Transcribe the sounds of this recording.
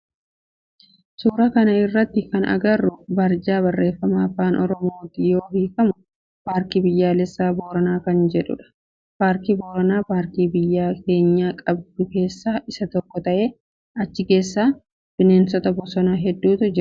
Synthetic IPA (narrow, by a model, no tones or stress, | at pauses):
suːɾɐkɐnɐɪrːɐt̪ːɪkɐnɐ̰ɡɐrːʊbɐɾd͡ʒaːbɐrːe̞ːfːɐmaːfaːnʔɔ̰ɾɔmoːt̪ɪjo̞ːɦiːfɐmʊ | baːɾkibɪjːaːlɛsːaːboːɾɐnaːkɐnd͡ʒɛᶑʊ̰ᶑɐ̥ | baːɾkiboːɾɐnaːpaːɾkiːbɪjːaːke̞ːɲːaːkʼɐbd̪̥ʊke̞ːsːaːʔɪsɐt̪ɔkːɔt̪ɐʔe̞ː | ɐt͡ʃːɪke̞ːsːaː | b̥ɪne̞ːnsɔt̪ɐbɔsɔnaɦɛd̪ːuːt̪ʊd͡ʒɪɾ